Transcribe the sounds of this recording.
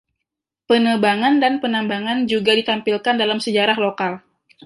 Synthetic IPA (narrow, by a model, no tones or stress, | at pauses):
pənəbaŋandanpənambaŋand͡ʒuɡadit̪ampilkandalamsəd͡ʒaɾahlokal